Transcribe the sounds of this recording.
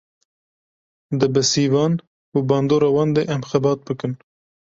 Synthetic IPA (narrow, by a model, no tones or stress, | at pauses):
d̪ɨbɨsiːvɑːn | ubɑːnd̪oːɾɑːwɑːnd̪eʔɛmxɛbɑːt̪̚bɨkɨn